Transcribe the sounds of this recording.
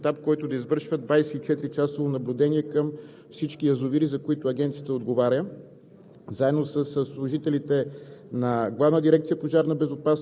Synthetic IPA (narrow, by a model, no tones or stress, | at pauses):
t̪ap̚kɔjt̪ʊd̪ɐizvɤɾʃvəd̪d̪vajsɛit͡ʃɛt̪ɾit͡ʃasəonɐblʲud̪ɛniɛkəm | fsit͡ʃkijɐzʊviɾizɐkoit̪ʊɐɡʲɛnt̪sijət̪əod̪ɡovaɾʲjə | zaɛd̪nosəssːlˠʊʒit̪ɛlit̪ɛnɐɡlˠavnəd̪iɾɛk̚t̪sijəpoʒaɾnɐbɛzopas